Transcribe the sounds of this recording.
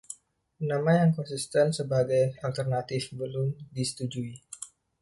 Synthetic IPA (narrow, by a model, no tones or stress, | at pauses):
namajaŋkɔnsist̪ɛnsəbaɡajalt̪ərnat̪ɪfbəlʊmdisə̥t̪ud͡ʒui